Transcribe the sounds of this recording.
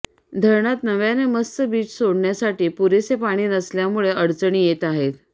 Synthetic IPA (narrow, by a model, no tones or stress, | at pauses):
d̪ʱəɾɳat̪nəʋjaneməst̪əbiːt͡ssoɽɳjasaʈiːpuɾesepaɽ̃iːnəsljamuɭeʔəɽt͡səɳ̃iːjet̪aɦet̪